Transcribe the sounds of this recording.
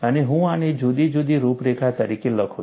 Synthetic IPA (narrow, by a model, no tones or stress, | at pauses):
əneɦũaned͡ʒud̪id͡ʒud̪iɾupɾekʰat̪əɾikeləkʰo